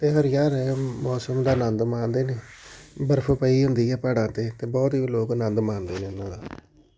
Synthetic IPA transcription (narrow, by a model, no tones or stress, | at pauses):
t̪eːɦəɾjaːɾɛmɔːsəmd̪aːnə̃nd̪mãːnd̪eːneːbəɾpʰoːpəiːɦʊnd̪iːɛːpaːɽãːt̪eːt̪eːbɔːt̪iːloːknə̃nd̪mãːnd̪eːnẽːʊnːãːd̪aː